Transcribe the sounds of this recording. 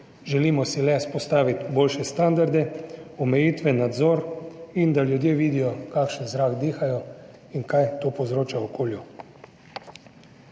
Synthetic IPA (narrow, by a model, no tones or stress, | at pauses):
ʒɛliːmɔsilɛspɔst̪aːʋit̪boːlʃɛst̪and̪aɾd̪ɛɔmɛjiːt̪ʋɛnad̪zɔːɾind̪aljud̪jeːʋiːd̪ijɔkaːkʃənzɾaːɡd̪iːxajɔ | iŋkajt̪oːpozɾoːt͡ʃaɔkʰoːlju